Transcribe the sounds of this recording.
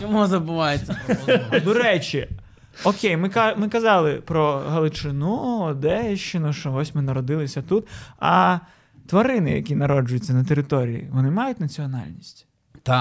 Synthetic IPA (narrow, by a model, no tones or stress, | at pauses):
t͡ʃɔmuzɐbʊʋɑjet͡sʲːd̪ɔɾɛt͡ʃi | ɔkʲejmɪkɑmɪkɐzɑlˠɪpɾɔɦɐlˠʊt͡ʃɪnuɔd̪ɛʃt͡ʃɪnʊʃt͡ʃɔɔsʲmɪnɐɾɔd̪ɪlˠɪsʲɐt̪ut̪ɐ̰ | t̪ʋɐɾɪnɪjɐ̰kʲinɐɾɔd͡ʒʊjʊt͡sʲːɐnɐt̪eɾɪt̪ɔɾʲḭjḭʋɔnɪmɑjʊtʲnɐt͡sʲiɔnɑ̰lʲnʲisʲtʲ | t̪a